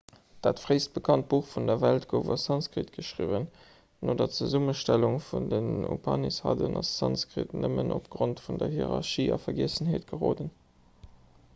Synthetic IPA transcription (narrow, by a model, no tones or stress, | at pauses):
d̥aːtfʁeɪst̚b̥əkʰɑnt̚b̥uːχfundɐvæltɡoʊvɐsɑnskʁitɡ̥əʃʁivən | noːdɐt͡səzuməʃtæluŋfundənṵpʰɑnishɑdənɑssɑnskʁḭtnʔəmənʔopɡ̥ʁontfundɐɦiʁɑʁʃiːɑ̰fɐɡiəsənɦeːtɡ̥əʁoːdən